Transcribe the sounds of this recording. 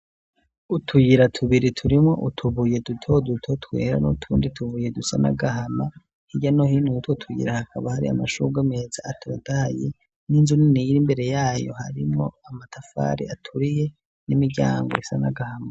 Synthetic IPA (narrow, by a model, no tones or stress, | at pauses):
utʰujiɾatʰuβiɾitʰuɾimŋo̞̰ʔutʰuβuje̞dutʰo̞dutʰotwe̞ːɾa̰notʰuːnditʰuβuje̞dusanaɡaɦama | hiɟanohinutwotʰujḭɾahakʰaβahaɾḭa̰maʃuɡameːzaatʰo̞ːdahaje | ninzuniniɾimbe̞ɾe̞jaːjo̞̰ha̰ɾimŋo̞̰amatʰafa̰ɾḭatʰuɾije̞ | nimiɟa̰ːŋɡo̰isana̰ɡahama